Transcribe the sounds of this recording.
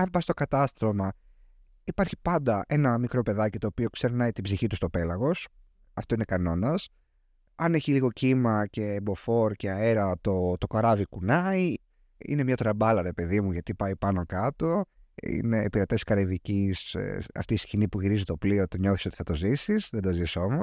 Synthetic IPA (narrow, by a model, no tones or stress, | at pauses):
ɐnbɐst̪o̞kɐt̪ɐst̪ɾo̞mɐ | ipɐɾçi̥pɐnd̪ɐʔenɐmikɾo̞pe̞ðɐcit̪o̞ːpio̞kse̞ɾnɐit̪ibziçit̪ust̪ope̞lɐɣo̞s | ɐft̪o̞inekɐno̞nɐs | ɐne̞çiliɣo̞cimɐce̞ːbo̞fo̞ɾceɐe̞ɾɐt̪o̞t̪o̞kɐɾɐvikunɐi | ḭne̞mɲɐt̪ɾɐbɐlɐɾe̞pe̞ðimuʝɐt̪ipɐipɐnokɐt̪o̞ḭne̞ːpiɾet̪e̞skɐɾevicisɐ̰ft̪iːscinipuʝiɾizit̪o̞plio̞t̪oɲo̞θiso̞t̪i̥θɐt̪o̞zisisðend̪o̞ziso̞mos